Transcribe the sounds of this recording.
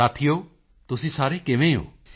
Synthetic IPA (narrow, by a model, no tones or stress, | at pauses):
at̪ʰijoː | t̪ʊsĩsaɾekeʋẽo̰ː